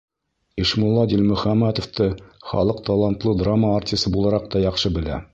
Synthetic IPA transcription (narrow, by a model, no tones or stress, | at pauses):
iʃmulˠːɑd̪ʲilʲmɵ̆χæmːæt̪oft̪ɤχɑ̰lˠɤq̚t̪ɑlˠant̪lˠɤd̪ramːəːrtʲist̪ɤbulˠɑɾɑq̚t̪ɑjɑqʃɤbɘ̆læ̰